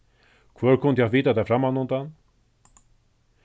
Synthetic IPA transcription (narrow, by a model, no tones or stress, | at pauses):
kʰvœːɾkʰʊnd̪javiːt̪ad̪afɾamanʊnt̪an